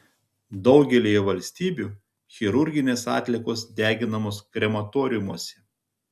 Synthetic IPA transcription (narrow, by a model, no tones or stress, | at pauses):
d̪ɒʊɡʲɛlʲiːjɛʋɐlʲsʲt̪ʲiːbʲuː | xʲɪɾʊɾʲɡʲɪnʲeːsɑ̰ːt̪ʲlʲɪkoːsd̪ʲæːɡʲɪnɐmoːskɾʲɛmɐt̪oːɾʲɪjʊmuɔsʲɛ̥